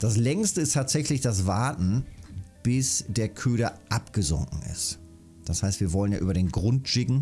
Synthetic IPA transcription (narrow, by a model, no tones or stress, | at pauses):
d̥as̬lɛŋstəɪstʰaːtz̥ɛçlɪçd̥as̬vaɐtn̩b̥ɪsd̥eːɐkʰøːɾɐʔapɡ̥əzʊ̰ŋkŋ̩ɪ̰st | d̥ashaɪstv̥iːɐvɔlənja̰ːʔyːbɐdeːnɡʁʊntʃɪɡŋ̩